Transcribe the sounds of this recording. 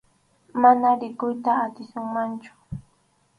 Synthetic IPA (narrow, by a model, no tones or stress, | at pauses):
manaɾɪkʊjt̪aːt̪ɪsʊŋmant͡ʃʊ̥